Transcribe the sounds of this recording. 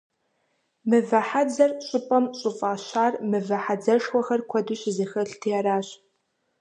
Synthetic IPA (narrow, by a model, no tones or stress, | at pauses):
mɨvɐħad͡zɐrɕʼʊpʼɐmɕʼʊfʼaːɕaːrmɨvɐħad͡zɐʂwʷɔxɐrkʷʰɔdɨɕziːxɐɬtʰijaɾaːɕ